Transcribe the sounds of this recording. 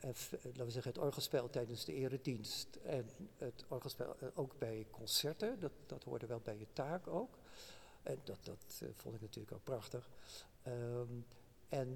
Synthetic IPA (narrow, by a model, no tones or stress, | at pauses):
ɛlaːtʋəzɛχənɦətɔɹχəlˠspɛlˠtɛjdənzdəɪːrədinstɛnətɔɹχəlˠspɛ̰lˠowɡbɛjkʰɔnsɛɹtədɑtd̥ɑtɦʊ̰ːɹdəɹʋɛlˠbɛjətaːkowk | ʔɛndɑdɑtfɔ̰ntɪknatyːləko̰kprɑχtəχ | ɛn